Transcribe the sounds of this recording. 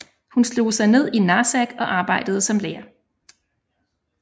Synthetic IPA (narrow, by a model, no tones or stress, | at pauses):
hunslo̝̰ːsɑ̈ɪne̝ð̞̰ˠinɑːsæɡ̥ɒ̽ʔɑ̈ːb̥ɑ̈ɪ̰d̥əð̞̩ˠəsɒ̽mleːɐ